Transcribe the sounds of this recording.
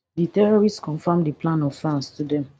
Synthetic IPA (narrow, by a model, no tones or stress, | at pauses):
ditɛɹɔɹistskɔ̃nfamdiplãnɔffãnstudɛ̃m